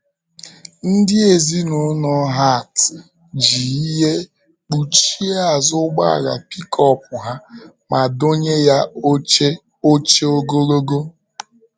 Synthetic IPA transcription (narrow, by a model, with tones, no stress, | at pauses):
n̩˦dɪ˦e˨zi˦no˨˦nɔ˦ɦa˦˨t | d͡ʒi˨i˦ɦe˦ | k͡pu˨t͡ʃi˦a˨zʊ˦ɡ͡ba̰˦a̰˨ɣa̰˨pi˦kʰɔ˦p̚ʊ˨ɦa˦ | ma˨do˦ɲe˦ja˦e˦ | o˦t͡ʃe˦o˦ɡo˦ɾo˦ɡo˦